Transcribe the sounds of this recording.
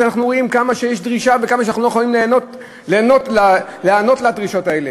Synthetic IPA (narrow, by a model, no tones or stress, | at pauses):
anaχnuʁoimkamaʃejeʃdʁiʃavekamaʃeaaχulojexalimlenot | leːno̞tlaleano̞t̪lad̪ʁiʃo̞tae̞le̞